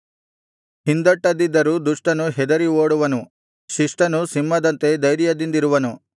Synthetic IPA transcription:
hind̪ɐʈːɐd̪id̪ːɐɾuːd̪uʂʈɐnuɦɛd̪ɐɾioːɽuʋɐnu | ʃiʂʈɐnusimːɐd̪ɐnt̪e̞d̪ɐjɾijɐd̪ind̪iɾuʋɐnu

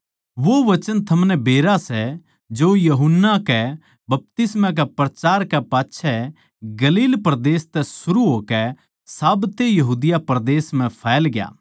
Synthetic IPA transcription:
ʋoʋɐt͡ʃənt̪ʰɐmnɛbeːɾasɛ | d͡ʒoːjɐɦʊnːakɛ | bɐp̚t̪ɪsmãk̬ɛpɾɐt͡ʃaːɾkɛpaːtːʃʰɛ | ɡɐliːlpɾɐd̪eːst̪ɛsʊɾuɦoːkɛ | saːbt̪ejɐɦuːd̪ɪjapɾd̪eːsm̤ɛ̃pʰɛːlɡja̰ː

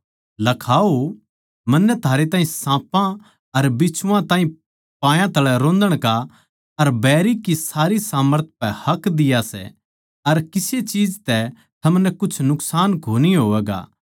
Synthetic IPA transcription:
lɐkʰaːo | mɐnːɛt̪ʰaːɾet̪ãːɦĩsãːpã | ɐɾbɪt͡ʃʰʊʋãt̪ãːɦĩ | pãːjãt̪ɐɭɛɾõːnd̪əɽ̃ka | ɐɾbɛːɾikisaːɾisaːməɾt̪̚ʰpɛhɐkd̪ɪjasɛ̰ | ɐɾkɪset͡ʃiːd͡ʒt̪ɛ | t̪ʰɐmnɛkʊt͡ʃʰnʊksaːnkʰoːniɦoːʋɛːɡa̰ː

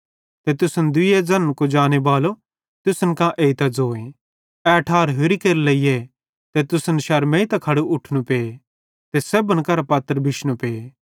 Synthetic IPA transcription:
t̪et̪ʊsənd̪ɪjed͡zɐnkod͡ʒaːñebaːlo | t̪ʊsənkãʔeːit̪ɐd͡zoːẽ | ɛɐʈʰaːɾɦʊɾikeːɾlɐije | t̪et̪ʊsənʃɐɾmẽit̪ɐkʰɐɽuʊʈʰnũpeː | t̪esebənkɐɾapɐt̪ːəɾbʱɪʃnũpeː

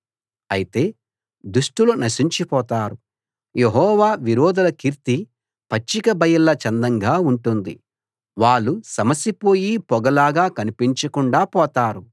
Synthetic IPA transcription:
ɐjit̪e̞ː | d̪uʂʈulunɐsiɲt͡ʃipɔːt̪aːɾu | jeɦɔːʋaːʋiɾɔːd̪ɐlɐkiɾt̪i | pɐt͡ʃːikɐbɐjɐlːɐt͡ʃɐnd̪ɐŋɡaːuɳʈund̪ḭ | ʋaːɭːusɐmɐsːipo̞ːjipɔɡɐlaːɡaːkɐnipiɲt͡ʃɐkuɳɖaːpɔːt̪aːɾu

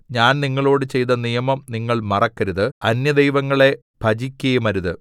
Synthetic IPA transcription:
ɲaːnniŋːɐɭo̞ːɽɨt͡ɕe̞jt̪ɐnijɐmɐmniŋːɐɭmɐrɐkːɐɾuðɨɐnjɐd̪ejʋɐŋːɐɭe̞ | bʱɐd͡ʑikʲːɐjumɐɾuðɨ

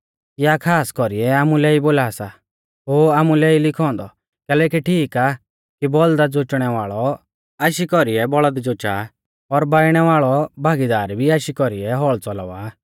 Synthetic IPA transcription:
kjakʰaːskɔɾiɛaːmulɛiboːlaːsa | ɦoːaːmulɛilɪkʰɔ̃ːnd̪ɔ | kɛːlɛkiʈʰiːka | kibɔld̪ad͡zot͡ʃɽ̃ɛʋaːɭɔ | aːʃikɔɾiɛbɔɭəd̪d͡zot͡ʃa̰ | ɔɾbaːiɽ̃ɛʋaːɭɔbʱaːɡid̪aːɾbʱiaʃikɔɾiɛɦɔɭt͡sɔl̰ːʋaː

